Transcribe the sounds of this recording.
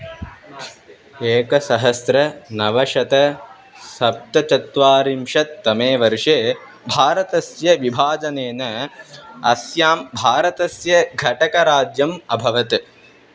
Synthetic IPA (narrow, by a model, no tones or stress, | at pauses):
eːkɐsɐɦɐsɾɐnɐʋɐʂɐt̪ɐ | sɐp̚t̪ɐt͡ʃɐt̪ʋaːɾimʂɐt̪ːɐmeːʋɐɾʂeː | bʱaːɾɐt̪ɐsjɐʋibʱaːd͡ʒɐneːnɐ | ɐsjaːmbʱaːɾɐt̪ɐsjɐɡʱɐʈɐkɐɾaːd͡ʒjɐmɐbʱɐʋɐt̪